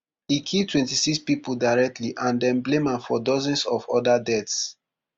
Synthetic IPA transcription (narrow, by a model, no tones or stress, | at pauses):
hikʰitʰwɛ̃ntisikspipoldaɪɹɛk̚tliʔãndɛ̃nblemãnfɔdɔzɔ̃nsɔfɔdadɛts